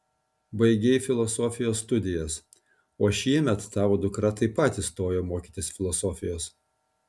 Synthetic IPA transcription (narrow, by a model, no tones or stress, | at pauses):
bɐɪɡʲɛɪfʲɪlˠɔsoːfʲɪjoːsːt̪ʊd̪ʲɪjɛs | oːʃʲiɛmʲɛt̪ːɑːʋoːd̪ʊkɾɐt̪ɐɪpɐt̪ʲɪst̪oːjoːmoːkʲiːt̪ʲɪsfʲɪlˠɔsɔːfʲɪjoːs